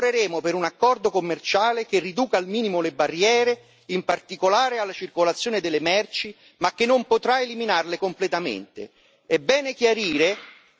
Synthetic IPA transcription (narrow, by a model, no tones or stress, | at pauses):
ɾeɾeːmopeɾunakːɔrd̪okomːert͡ʃaːlekerːid̪uːkaːlmiːnimolebarːjɛːɾe | impart̪ikolaːɾealːat͡ʃirkolat̪sːjoːned̪elːemɛrt͡ʃi | makːenːompot̪ɾaeliminarlekomplet̪amḛnt̪ḛ | ɛbːɛːnekjaɾiːɾe